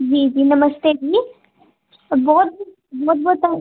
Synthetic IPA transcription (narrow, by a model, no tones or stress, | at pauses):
d͡ʑid͡ʒiːnɐməst̪ed͡ʒi | bɔːt̪̚b | bɔːt̪̚bɔːt̪a